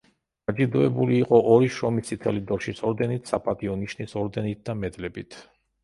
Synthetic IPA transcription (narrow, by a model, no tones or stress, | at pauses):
ɡ̥ad͡ʒid̪ɔɛbuliːqʼɔʔɔɾiʃɔmisʰit̪ʰɛlid̪ɔɾʃisɔɾd̪ɛnit̪ʰsapʼat̪ʼiɔniʃnisɔɾd̪ɛnit̪̚d̪amɛd̪lɛbit̪ʰ